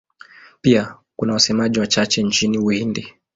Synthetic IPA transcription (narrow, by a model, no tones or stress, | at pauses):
pia | kunawasɛmaʄiwat͡ʃat͡ʃɛnt͡ʃiniuhindi